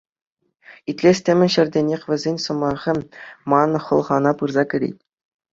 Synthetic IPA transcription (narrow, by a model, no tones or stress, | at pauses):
it̪ʲlʲesʲtʲɘ̆mʲɘ̆nʲɕɘ̆rʲdʲenʲexʲʋʲɘ̆zʲenʲsɤ̆mɑʁʲɘ̆mɑnɤ̆χɤ̆lˠʁɑnɑpɯrzɑkʲɘ̆ɾʲḭtʲ